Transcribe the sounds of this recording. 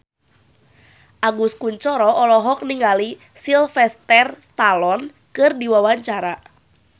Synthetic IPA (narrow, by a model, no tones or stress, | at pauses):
ʔaɡuskuɲt͡ʃɔɾɔʔɔlɔɦɔk̚niŋali | silfɛst̪ɛrst̪alɔn | kɨrdiwawaɲt͡ʃaɾa